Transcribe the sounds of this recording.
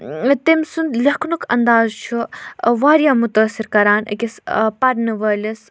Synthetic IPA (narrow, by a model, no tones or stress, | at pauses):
t̪emʲsund̪lɐkʰnukʰɐ̰nd̪aːzt͡ʃʰuʋaːɾjaːmut̪aːsiɾkɐɾaːnɐ̰kʲispɐɾnɨʋɐːlʲɐs